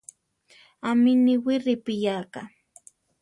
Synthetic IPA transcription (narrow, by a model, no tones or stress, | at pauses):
amɪnɪwɪɾɪpɪjaːka